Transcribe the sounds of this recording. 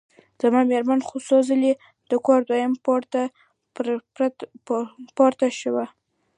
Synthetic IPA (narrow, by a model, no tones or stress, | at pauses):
z̥amɑmeɾmanxosɑzəli | d̪̥əkɑɾd̪wajəmpɾt̪a | pɑɾt̪aʃəwa